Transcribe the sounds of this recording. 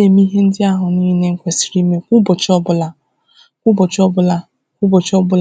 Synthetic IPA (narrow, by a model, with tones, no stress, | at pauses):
e˨mi˦ɦe˦n̩˦dɪ˦a˦ɦʊ˨ni˦ne˦ŋ̩˦kʷe˨si̥˨ɾi˦me˦ku˦bɔ˨t͡ʃɔ˦bʊ˦la˦ | kʷʊ˦bɔ˨t͡ʃɔ˦bʊ˦la˦ | kʷʊ˦bo˨t͡ʃɔ˦bʊ˦l